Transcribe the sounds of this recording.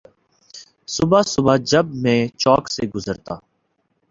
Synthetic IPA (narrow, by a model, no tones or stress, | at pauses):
sʊbaːsʊbaːd͡ʒəb̚mẽːt͡ʃɔːkseːɡʊzəɾt̪a̰ː